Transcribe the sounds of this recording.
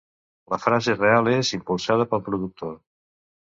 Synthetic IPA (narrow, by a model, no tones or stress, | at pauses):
ləfɾazerealezimpulˠsað̞əpəlˠpɾuðuk̚t̪o